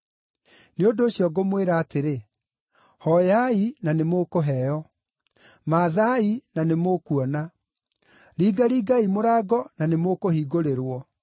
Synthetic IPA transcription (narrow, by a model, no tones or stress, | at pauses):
neondoːɕjɔɡomweɾaːteɾe | hɔjainanemokoɦɛjɔ | maðainanemokuɔna | ɾiːɡaɾiːɡaimoɾaːɡɔnanemokohiɡoɾeɾwɔ